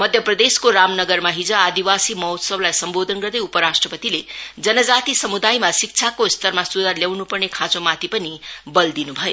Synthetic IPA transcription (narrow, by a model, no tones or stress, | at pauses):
mʌd̪ʱjʌprʌd̪eskoramnʌɡʌrmaɦid͡zʌad̪iwasimʌwt̪sʌblajsʌmbod̪ʱʌnɡʌrd̪ʌjupʌɾasʈrʌpʌt̪iled͡zʌnʌd͡zat̪isʌmud̪ajmasik̚t͡sʰakost̪ʌrmasud̪ʱarljawnupʌrnekʰãt͡somat̪ʰipʌnibʌld̪inubʱʌjo